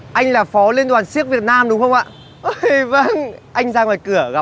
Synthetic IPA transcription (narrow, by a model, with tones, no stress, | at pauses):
ʔa˧jŋ̟laː˨˩fɔ˨˦li˧ənt̪waː˨˩nsi˦˥ək̚vi˨˩ət̚naː˧mɗʊ˨˦ŋ͡mxə˧wŋ͡mʔa̰ː˧˨ | ʔə˧˨və˧nʔa˧jŋ̟zaː˧˩ŋvaː˨˩kɨ˧˩əɣa˨˦